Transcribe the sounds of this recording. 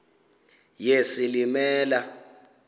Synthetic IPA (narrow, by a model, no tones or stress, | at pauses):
jesilimɛːla